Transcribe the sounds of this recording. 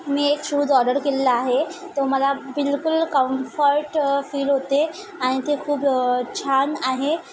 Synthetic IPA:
miːekʃud̪ɔɖəɾkelːaːɦet̪oməlabilkulkəmfəɾʈfiːlɦot̪e | aɽ̃it̪ekʰuːbt͡ɕʰanaɦe

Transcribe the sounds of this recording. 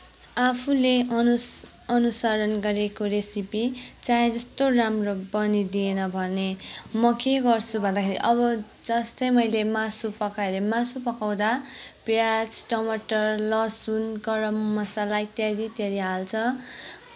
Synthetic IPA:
apʰule | ʌnusaɾʌnɡʌɾekoɾesipit͡saed͡zʌst̪oramrobʌnid̪ienʌbʱʌnemʌkeɡʌrt͡sʰubʱʌnd̪akʰeɾḭʔʌβʌ | d͡zʌst̪ʌjmʌjlemasupʌkaeɾemasupʌkaw̃d̪apjat͡sʈʌmʌʈʌrlʌsunɡʌɾʌmːʌsalajt̪aɾit̪eɾiɦalt͡sʰʌ

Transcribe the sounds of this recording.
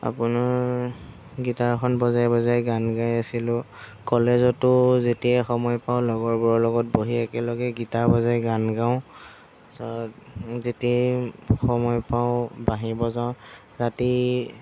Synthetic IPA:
a̰pʊnaɹ | ɡitakʰɔnbɔzajbɔzajɡanɡajasilʊ | kɔlezɔtʊzetiɛxɔmɔjpaʊlɔɡɔɹbuɹɔlɔɡɔt̚boɦiɛkɛlɔɡɛɡitabɔzajɡanɡaʊ̃ | sɔtzetɛxɔmɔjpaʊ̃baɦibɔzaʊ̃ | ɹati

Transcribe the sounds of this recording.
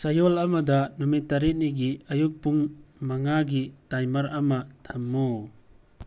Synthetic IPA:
sajɔlamadanumitːaɾit̚niɡiajuk̚puŋmaŋaɡitajmaɾamatʰamːu

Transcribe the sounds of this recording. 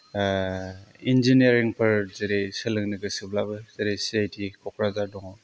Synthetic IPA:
ind͡ʒiniaɾiŋpʰɯɾzeɾesɯlɯŋnɯɡɯsɯblabɯzeɾesiajtʰikʰɔkʰɾazadɔŋɔ

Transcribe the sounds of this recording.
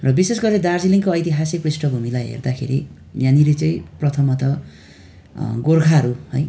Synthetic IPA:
rʌbisesɡʌrled̪ard͡ziliŋkoʌjt̪iɦasik̚prisʈʌbʱumilajɦḛrd̪akʰḛɾḭ | jãnilet͡sʌ̃ĩprʌt̪ʰʌmʌt̪ʌ | ɡorkʰaʌɾuhʌ̰j

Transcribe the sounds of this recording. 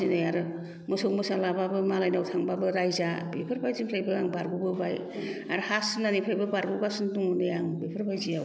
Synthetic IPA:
inɯjaɾɯ | mɔsowmɯsalababɯmalajnawtʰaŋbabɯɾajzabepʰɯɾbajzimpʰlajbɯaŋbaɾɡubɯbaj | aɾɯhasɯnanipʰajbɯbaɾɡubasɯnduŋunɯjaŋbepʰɯɾbajzia

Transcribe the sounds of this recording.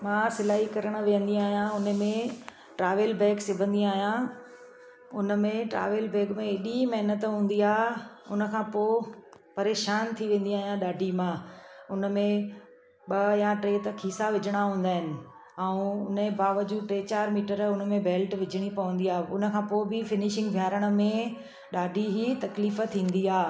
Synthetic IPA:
mãːsɪlaːɦikɐɾəɽ̃̆ʋijə̃nd̪iaːɦijãʊnəmẽ | ʈɾaːʋəlbeːɡsɪbʱə̃nd̪iaːɦijã | ʊnə̆mẽʈɾa̰ːʋəlbeːɡmẽɪɗimɐɦɪnət̪ɦũːn̆d̪iaːɦ | ʊnəkʰãːpoːpɐɾeːʃaːnt̪ʰiʋẽːn̆d̪iaːɦijãɗaːɖʱimãʊnə̆mẽ | ɓɐjãʈɾeːt̪ɐkʰiːsaʋɪd͡ʑʱəɽ̃aɦũːnd̪aːɦɪnɪ̆ | ãːũʊnẽbaːʋəd͡ʑuːʈɾeːt͡ɕaːɾmiːʈəɾʊnə̆mẽbeːlʈʋɪd͡ʑʱəɽ̃ipɐʋə̃nd̪iaːɦʊnə̆kʰãːpoːɪbɪfɪnɪʃɪ̃ŋɡbʱjaːɾəɽ̃ə̆mẽ | ɗaːɖʱiɦit̪ɐkliːfət̪ʰĩːn̆d̪iaː

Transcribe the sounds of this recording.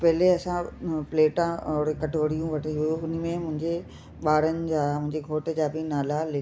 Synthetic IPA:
pɐɦɪleɐsãpleːʈãɔɾkɐʈʰoːɽijũʋɐʈiɦuʊn̆mẽmʊ̃ɦɪ̃ɲd͡ʑe | ɓaːɽənɪ̆d͡ʑaːmʊ̃ɦɪ̃ɲd͡ʑeɡʱoːʈd͡ʑaːbɪnaːlalɪ

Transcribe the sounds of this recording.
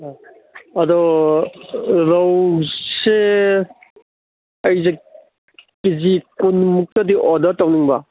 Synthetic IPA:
ɐdɔ | ɾawse | ɐjze | kizikunmuk̚tadiʔɔdɐtawniŋbɐ̰

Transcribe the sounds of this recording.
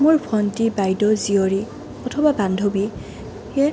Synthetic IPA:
muɹbʰɔntibajdɔzioɹi | ɔtʰɔbabandʱobi | ɛ

